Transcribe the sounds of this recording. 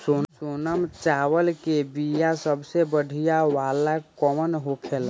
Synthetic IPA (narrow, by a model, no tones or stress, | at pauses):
sosoːnəmt͡ʃaːwəlkebijasəbsebəɽʱijawaːlakɔmənɦokʰel